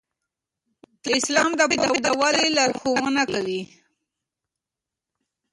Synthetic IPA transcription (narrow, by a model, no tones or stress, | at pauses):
d̪̥ɪslɑmd̪əd̪əd̪əwalelɑɾxowənakawi